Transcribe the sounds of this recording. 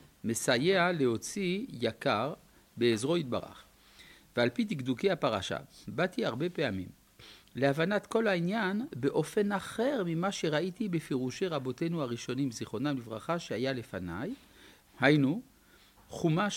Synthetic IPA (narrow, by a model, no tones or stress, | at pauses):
mesajealeho̞t͡sijakaʁ | beːzʁo̞it̪̚ba̰ʁa̰χ | vealpidikdukeapaʁaʃa̰bat̪iaʁbe̞peamḭm | leavanat̪ko̞lhainjanbeʔo̞fenaχe̞ʁmimaʃe̞ʁait̪ibefeʁuʃeʁabo̞te̞nuaʁiʃo̞nimziχo̞namlivʁaχaʃeajale̞fanaj | hajnu | χuma